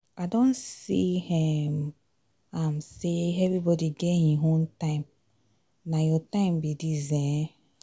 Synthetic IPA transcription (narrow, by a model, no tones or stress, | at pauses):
adõnsihim | ãmseɛvibɔdiɡɛhiɦõntãɪ̃m | najɔtãɪ̃mbidizɛ̃